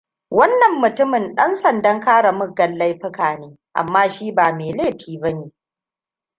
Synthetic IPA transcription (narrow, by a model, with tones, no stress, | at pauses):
wɐ˦nːɐ˨mːʊ˨tʊ˦mɪ˨nɗɐ˦nsɐ˨ndɐ˦ŋkaː˦ɽa˨mʊ˦ɡːɐ˨lːɐ˦jɸɪ˦kaː˨neː˦ | ʔa̰˨mːaː˦ʃiː˦baː˨meː˨leː˦˨ɸiː˨bɐ˦neː˨